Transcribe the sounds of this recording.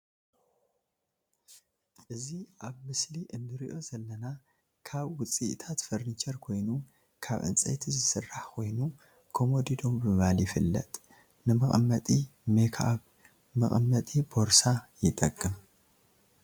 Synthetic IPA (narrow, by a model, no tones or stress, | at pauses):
ʔɨziʔaβmɨsliʔɨnːɨɾiʔo̞zɐlːɐna | kʰaβwʊt͡sʼːiʔt̪ʰat̪fɐɾnit͡ʃʰɐɾkʰo̞jnu | kʰaβʔɨ̰nt͡sʼɐ̰jt̪ʰizɨɨsɨrːaħkʰo̞jnu | kʰomod̪id̪o̞mbɨmɐβaljɪfɨlːɐ̰t̪ʼ | nɨmɐχʼɐ̰mːɐt̪ʼimekʰaaβ | mɐχʼɐmːɐt̪ʼibo̞ɾsajɪt̪ʼɐkʼːɨm